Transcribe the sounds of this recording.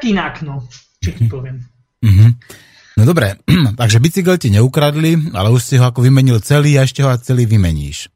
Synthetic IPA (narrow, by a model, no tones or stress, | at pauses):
kinaknɔ | t͡ʃikpɔʋɪɛm | m̩ɦm̩ | nɔd̪ɔbɾɛt̪aɡʒɛbit͡siɡɛlcɛɲɛukɾad̪lia̰lɛuʃsiɦɔakɔʋimɛɲilt͡sɛliːaɛʃcɛɦɔat͡sɛliːʋimɛɲḭːʃ